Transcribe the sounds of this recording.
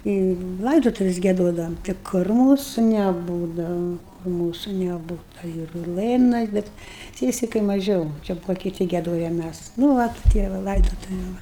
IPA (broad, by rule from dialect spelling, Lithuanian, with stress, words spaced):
iː ˈlˠɐɪdoːtʊʋʲɪs ɡʲiɛˈdoːdɐʋoːm tɐɪ ˈkʊr ˈmuːsʊ nʲɛˈbuːdɐʋɐ ˈmuːsʊ nʲɛˈbuːtɐ ɪr ˈlˠɘnɐs ˈbʲɛt ˈsʲiɛsʲɪkɐɪ mɐˈʒʲɛʊ ˈt͡ʃʲɛ ˈbʊʋoː kʲɪˈtʲɪ ɡʲiɛˈdoːjɛ ˈmʲæs nʊ ˈʋɐt ˈtʲiɛ ʋɐ ˈlˠɐɪdoːtʊʋʲʊ ˈʋɐ